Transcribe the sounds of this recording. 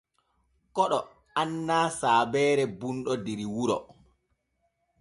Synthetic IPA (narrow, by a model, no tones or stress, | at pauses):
kɔɗɔ | anːaːsaːbɛːɾɛbunɗɔdiɾiwuɾɔ̰